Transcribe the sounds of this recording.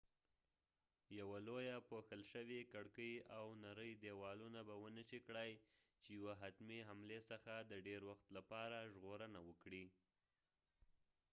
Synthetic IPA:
jawalojapoxəlʃəwikaɽkəjawnaɾəjd̪ewɑlunabawənəʃikɽajt͡ʃejawaɦat̪miɦamlesəxad̪əɖeɾwaxt̪lapɑɾaʒɣoɾənawəkɽi

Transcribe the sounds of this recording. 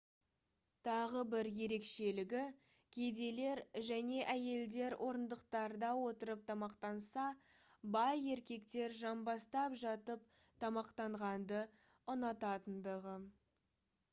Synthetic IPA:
t̪ʰɑʁəbɪɾje̞ɾe̞kʃe̞lɪɡʲɪ | kʲʰed̪e̞le̞ɾʒæne̞ʔæje̞ld̪e̞ɾwʔo̞ɾənd̪əqt̪ɑɾd̪ɑwo̞t̪əɾəp̚t̪ʰɑmɑqt̪ɑnsɑbɑje̞ɾkʲe̞kt̪e̞ɾʒɑnbɑst̪ɑpʒɑt̪əp̚ | t̪ʰɑmɑqt̪ɑɴʁɑnd̪ə | ʊnɑt̪ɑt̪ənd̪əʁə

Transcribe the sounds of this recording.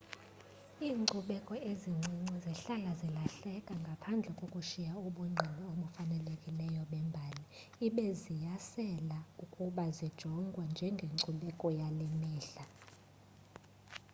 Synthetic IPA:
iːŋ͡ǃuɓɛkʼɔeziŋ͡ǀʱiŋ͡ǀiziɬalazilaɬɛkʼaŋɡʱapʰand͡ɮʱɛkʼokʼuʃijauɓuŋ͡ǀʱɛlɔoɓufanɛlekʼilɛjɔɓɛmbʱali | iɓɛzijasɛlaukʼuɓazid̥ʒ̥ʱɔŋɡʱwand͡ʒʱɛŋɡʱeǀuɓɛkʼɔjalɛmɛːɬa

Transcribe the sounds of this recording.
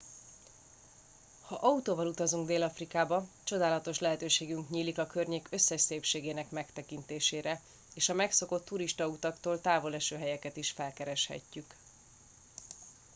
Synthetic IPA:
hɒʔɒut̪oːvɒlut̪ɒzuŋɡd̪eːlɒfrikaːbɒt͡ʃo̞d̪aːlɒt̪o̞ʃlɛɦɛt̪øːʃeːɡyŋkɲiːlikɒkø̞rɲeːkø̞sːɛʃseːpʃeːɡeːnɛkmɛkt̪ɛkint̪eːʃeːɾɛ | eːʃɒmɛkso̞ko̞t̪ʰːuɾiʃt̪ɒut̪ɒkt̪oːlt̪aːvo̞lɛʃøːɦɛjɛkɛt̪iʃfɛlkɛɾɛʃhɛ̰cːyk

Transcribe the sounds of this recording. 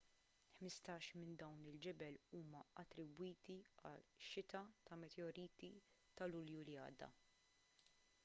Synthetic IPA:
ħmɪst̪ɐːʃmɪnd̪ɐwnɪld͡ʒɛbɛluːmɐɐt̪ːɾɪbwiːt̪iɐ̰lʃɪt̪ɐt̪ɐmɛt̪ɛɔɾiːt̪i | t̪ɐlʊljuliɐ̰ːd̪ːɐ̰

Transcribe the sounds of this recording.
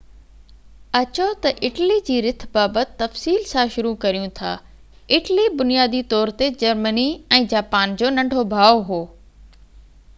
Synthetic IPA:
ɐt͡ɕot̪ɐʔɪʈlid͡ʑiːɾɪt̪ʰbaːbət̪ɪt̪ːɐfsiːlsãʃʊɾukɐɾijũt̪ʰa̰ː | ɪʈlibʊnijaːd̪it̪ɔːɾt̪ed͡ʑɐɾməniɛ̃ːd͡ʑaːpaːnd͡ʑoːnɐ̃ɳɖʱobʱaːoɦoː

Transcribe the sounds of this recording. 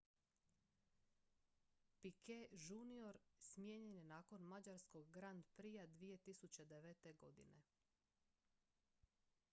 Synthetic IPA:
pikʰeʒunio̞ɾsmjeɲenjenaːko̞nmad͡ʑaɾskoɡɡɾand̪pɾijad̪ʋije̞t̪isut͡ɕe̞d̪eʋet̪e̞ɡo̞̰d̪ḭnḛ

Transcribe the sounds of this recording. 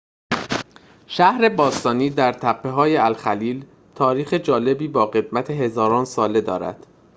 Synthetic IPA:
ʃæhɾe̞bɒːst̪ɒːniːd̪æɾt̪ʰæpʰːe̞ɦɒːjeælxæliːl | t̪ʰɒːɾiːxe̞d͡ʒɒːle̞biːbɒːɣe̞d̪̚mæt̪ʰe̞ɦe̞zɒːɾɒːnsɒːle̞d̪ɒːɾæ̰d̪̥

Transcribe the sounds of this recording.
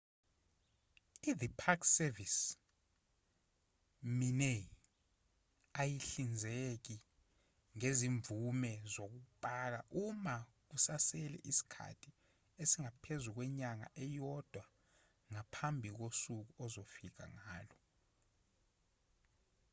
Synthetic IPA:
iðipʰaksɛvis | mine | ajiɬind͡zʱek̬i | ŋeziɱvumɛzok̬upʼak̬aʔuma | k̬usasɛlɛ̰ʔisi̥kʰa̰tʰi | esiŋapʰezuk̬wɛɲaŋa̰ʔɛjɔd̥ʱwa | ŋapʰambʱik̬osuk̬uɔzofik̬a̰ŋaːlɔ

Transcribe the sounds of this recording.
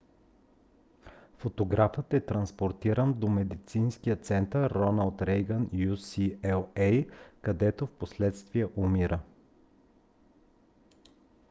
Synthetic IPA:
fot̪oɡɾafət̪ɛt̪ɾɐnspoɾt̪iɾənd̪omɛd̪it̪sinskijət̪sɛnt̪əɾːɔnəlˠt̪ɾɛjɡənjusiɛlˠɛjkɐd̪ɛt̪ofposlɛt̪st̪viəʔumiɾʔə

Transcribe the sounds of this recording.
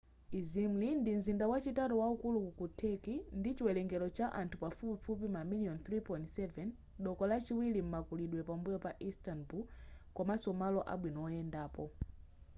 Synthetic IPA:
izim̩lindin̩zindawat͡ʃitaɾɔwaukulukutʰɛkindit͡ʃiwɛlɛŋɡɛlɔt͡ʃaʔantʰupafupifup̬imamiliɔnθɾipɔĩntsɛvɛn | ɗɔkɔlat͡ʃiwilim̩makuliɗwɛpambujɔpaʔistanbulkwamasɔmalɔʔa̰ɓwinɔɔjɛndaːpɔ

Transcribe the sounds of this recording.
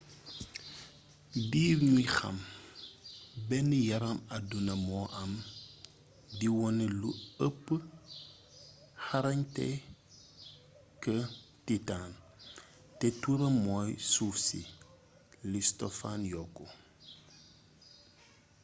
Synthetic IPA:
biːɾɲixɐ̰m | bɛnijɐɾɐmɐdunɐmɔːʔɐm | diwɔnɛluəpːə | hɐɾɐɲtɛ̰ | kə | titaːn | tɛtuɾɐmːɔːjsuːfsḭ | listɔfanjɔkːɔ

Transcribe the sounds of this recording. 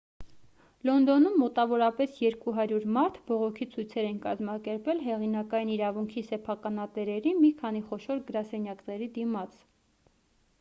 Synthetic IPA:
lɔnd̪ɔnumːɔt̪ɑvɔɾɑpɛsjɛɾkuɦɑɾjuɾmɑɾt̪ʰbɔʁɔkʰit͡sʰujt͡sʰɛɾɛnkɑzmɑkɛɾpɛlɦɛʁinɑkɑjiniɾɑvuŋkʰisɛpʰɑkɑnɑt̪ɛɾɛɾimikʰɑniχɔʃɔɾɡəɾɑsɛnjɑknɛɾid̪imɑt͡sʰ

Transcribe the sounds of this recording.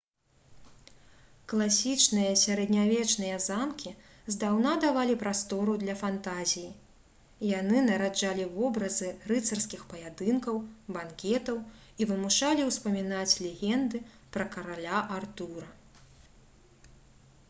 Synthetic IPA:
klˠasʲit͡ʂnɨjɐsʲaɾɛd̪nʲavʲɛt͡ʂnɨjɐzamkʲi | zd̪awnad̪avalʲipɾast̪ɔɾud̪lʲɐfant̪azʲiji | jan̪ɨnɐɾad͡ʐalʲivɔbɾɐzɨɾɨt̪sɐrskʲixpɐjad̪ɨnkɐwbankʲɛt̪ɐw | ivɨmuʂalʲiwspɐmʲin̪at͡sʲlʲɛɣʲɛnd̪ɨ | pɾɐkɐɾalʲaʔart̪uɾɐ

